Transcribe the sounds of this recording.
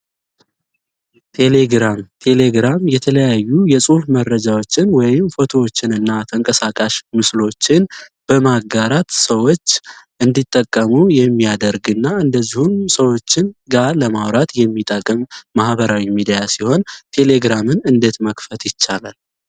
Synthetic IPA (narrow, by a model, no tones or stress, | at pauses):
t̪ʰe̞le̞ɡɾamt̪ʰe̞le̞ɡɾamjɛt̪ʰələjajːujɛsʼufmərːəd͡ʒawo̞t͡ʃːɪnwɔjɪmfo̞t̪ʰo̞wot͡ʃːɪnɨnːat̪ʰəŋkʼəsakʼaʃmɨslo̞t͡ʃːɪnb̥əmaɡaɾat̪səwo̞t͡ʃːʔɨnd̪it̪ʼːəkʼːəmujɛmːijad̪əɾɡɨnːaɨnd̪əzːihunsəwo̞t͡ʃːɪnɡaləmawɾat̪jɛmːit̪ʼəkʼːɨmːahbəɾawimid̪ijasiho̞nt̪ʰe̞le̞ɡɾamɨnɨnd̪e̞t̪məkfət̪jɪt͡ʃːalal